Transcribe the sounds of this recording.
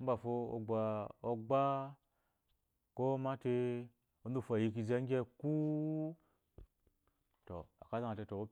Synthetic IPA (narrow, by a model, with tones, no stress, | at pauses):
m̩˦ba˨fo˧o̰˧ɡ͡ba˧o˧ɡ͡ba˦ | ko˦ma˦te˧ | o˦n˦du˦˨fa˨ji˧ki˧ze˧˦ŋ˦ɡʲe˦ku˦ | to̰˨a̰˨ka˦za˦a˨te˧to˨o˦